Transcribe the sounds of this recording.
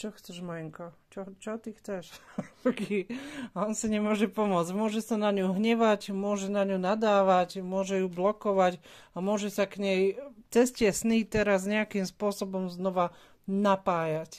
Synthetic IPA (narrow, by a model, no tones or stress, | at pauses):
t͡ʃɔxt͡sɛʒmɔjɛŋkɔt͡ʃɔt͡ʃɔt̪ixt͡sɛʃkiaɔnsiɲɛmʊɔʒɛpɔmʊɔd͡zɟmʊɔʒɛsanaɲuɦɲɛʋaɟmʊɔʒɛnaɲunad̪aːʋacmʊɔʒɛjublɔkɔʋaɟ | amʊɔʒɛsakɲɛjt͡sɛscɪɛsniːt̪ɛɾazɲɛakimspʊɔsɔbɔmznɔʋa | napaːjac